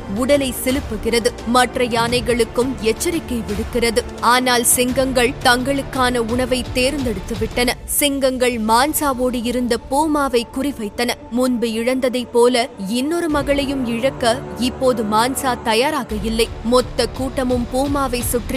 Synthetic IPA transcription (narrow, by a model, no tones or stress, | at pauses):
ʊɽɐlɐɪsɪlɯpːɯɣɪrɐðɯmɐʈrɐjaːnɐɪɣɐɭɯkːɯmɛt͡ʃːɐɾɪkːɐɪʋɪɽɯkːɪrɐðɯ | aːnaːlsɪŋɡɐŋɡɐɭt̪ɐŋɡɐɭɯkːaːnɐʊɳɐʋɐɪt̪eːɾnd̪ɛɽɯt̪ːɯʋɪʈːɐnɐ | sɪŋɡɐŋɡɐɭmaːnsaːʋoːɽɯjɪɾɯnd̪ɐpuːmaːʋɐɪkʊrɪʋɐɪt̪ːɐnɐmʊnbɯɪɻɐnd̪ɐðɐɪpːoːlɐɛnːɔɾɯmɐɣɐɭɐjɯmɪɻɐkːɐɪpːoːðɯmaːnsaːt̪ɐjaːɾaːɣɐjɪlːɐɪmɔt̪ːɐkːuːʈːɐmɯmpuːmaːʋɐɪsʊʈri